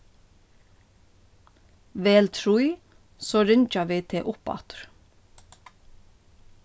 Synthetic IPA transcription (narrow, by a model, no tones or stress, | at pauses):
ʋeːlt̪ʰɾuɪ | soːɾɪɲt͡ʃaʋiːt̪ʰɪʔʊpɑ̰t̪ɹ